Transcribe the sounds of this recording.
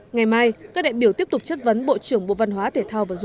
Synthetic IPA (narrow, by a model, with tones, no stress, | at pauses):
ŋa˨˩jmaː˧jkaː˦˥k̚ɗḭ˧˨ɓi˧˩ət̪i˦˥əp̚t̪k͡p̚t͡ɕə˦˥t̚və˨˦nɓo̰˧˨t͡ɕɨ˧˩əŋɓo̰˧˨va˧nɦwaː˨˦t̪ʰe˧˩t̪ʰaː˧wvaː˨˩zʊ˧˨